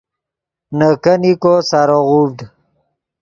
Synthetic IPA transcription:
nəkənikosaɾoʁubd̪

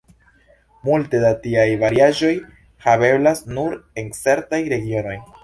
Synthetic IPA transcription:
multe̞datiajvaɾiaʒo̞j | habe̞blasnuɾe̞nt͡se̞ɾtajɾe̞ɡio̞no̞j

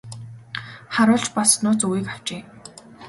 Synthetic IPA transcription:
χaɾʊːɮt͡ɕpasnʊːt͡suwiːkaw̥t͡ɕeː

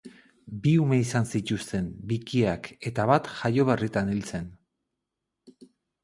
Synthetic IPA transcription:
biume̞isansit̪ust̪e̞mbikiake̞t̪aβat̪ʝajo̞βerit̪anilt͡se̞n

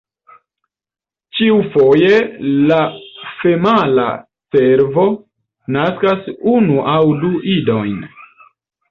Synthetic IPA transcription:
t͡ʃiufo̞je̞lafe̞mala̰ | se̞ɾvo̞ | naskasunuʔawduʔido̞jn

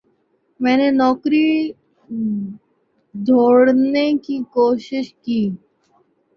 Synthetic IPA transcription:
mɛnenɔkɾi | d̪ʱoɽnekikoʃiʃki

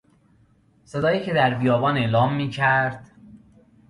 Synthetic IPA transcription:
se̞d̪ɒːjiːcʰe̞d̪æɾbijɒːbɒːne̞ʔlɒːmːiːcʰæɾd̪̥

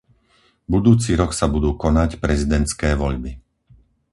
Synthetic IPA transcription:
bud̪uːt͡siɾɔksabud̪uːkɔnacpɾɛzid̪ɛnt̪skɛːʋɔʎbi

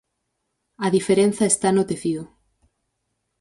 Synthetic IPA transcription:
aðifeɾen̟θaest̪anot̪eθiðo

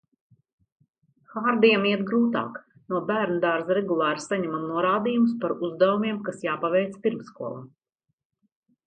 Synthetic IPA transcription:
xaɾd̪ijɛmiɛt̪ɡɾuːt̪a̰ːk | nuɔbæːɾnd̪aɾzɾɛɡulˠaːɾsːaɲɛmamnuɔɾaːd̪ijumspaɾuzd̪avumʲiɛmkasjaːpavɛjt̪spʲiɾmskuɔlˠa

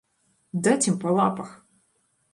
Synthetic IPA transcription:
d̪atʲimpɐlˠapɐx

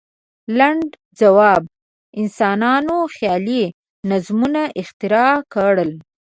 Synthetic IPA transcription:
laɳɖ | d͡zawɑb̚ | ɪnsɑnɑnoxjɑli | nazmunaʔɪxt̪ɪɾɑkaɽəl

